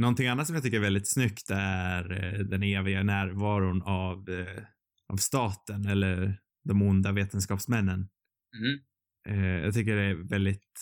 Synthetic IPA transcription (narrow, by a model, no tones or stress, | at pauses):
nɔnt̪ɪŋanːat̪sɔmjɡt̪ʏkːəɾɛvɛld̪ɪt̪snʏkt̪æɾd̪ɛneːvɪɡanæːɾvɑːɾʊnav | ʔa̰vst̪ɑːt̪ənɛlːə | d̪ɔmʊnd̪aveːt̪ənskɑːpsmɛnːən | jɑ̰ːɡt̪ʰʏk̬ːəɖɛævɛld̪ɪt̪